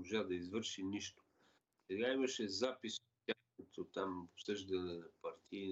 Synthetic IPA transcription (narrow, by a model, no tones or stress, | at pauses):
oʒad̪ɐizvɤɾʃiniʃt̪o̥ | sɛɡaimɐʃɛzapisot̪t̪ʲaxkɐt̪ot̪amopsɤʒd̪ɐnɛnɐpɐɾt̪ʰiː